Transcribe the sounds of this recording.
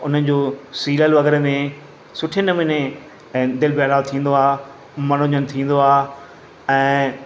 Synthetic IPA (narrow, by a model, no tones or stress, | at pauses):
ʊn̤ənɪ̆d͡ʑoːsiːləlʋɐɣɛɾemẽ | sʊʈʰenɐmɪne | d̪ɪlbeːlaːlt̪ʰĩːn̆d̪oaː | mɐnoɲənɪ̆t̪ʰĩːn̆d̪oaː | ɛ̃ː